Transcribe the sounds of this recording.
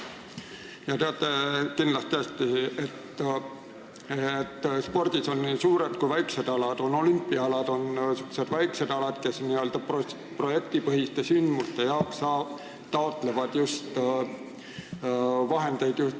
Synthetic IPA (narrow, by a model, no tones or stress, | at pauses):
jɑt̪e̞ɑt̪ˑːe̞kindlɑst̪ːæst̪iet̪ː | t̪ːspo̞rd̪̥iso̞nːisuːɾe̞d̪̥̚kujvæjkse̞d̪̥ɑlɑd̪̥o̞no̞lympːˑiɑɑlɑd̪o̞nsykːuse̞d̪̥væjkse̞d̪̥ɑlɑd̪̥ke̞sniø̞ld̪̥ɑpo | pro̞je̞kt̪ipɤɦist̪esynd̪must̪e̞jɑoksɑː | t̪ɑot̪ˑle̞vɑd̪̥just̪ | vɑɦe̞nd̪̥e̞jd̪̥jus